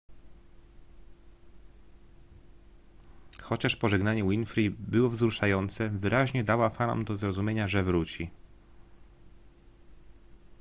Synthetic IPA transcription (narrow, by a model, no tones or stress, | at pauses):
xɔt͡ɕaʂpɔʐɛɡnaɲɛwinfɾibɘwɔvzɾuʂajɔnt̪sɛvɘɾʔaʑɲɛd̪awafanɔ̰md̪ɔzɾɔzumʲjeɲaʐɛvɾut͡ɕi